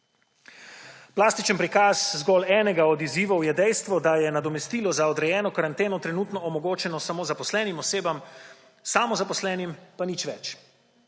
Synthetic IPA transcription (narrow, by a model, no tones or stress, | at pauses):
plaːst̪it͡ʃənpɾikaːzzɡɔlɛːnɛɡaɔd̪iziːʋɔwjɛd̪ɛjst̪ʋɔd̪ajɛnad̪ɔmɛst̪iːlɔzaɔd̪ɾɛjɛːnɔkaɾant̪eːnɔt̪ɾɛnuːt̪nɔːmɔɡoːt͡ʃɛnɔsamoːzapɔslɛːnimɔseːbam | saːmɔzapɔslɛːnimpanit͡ʃʋɛt͡ʃ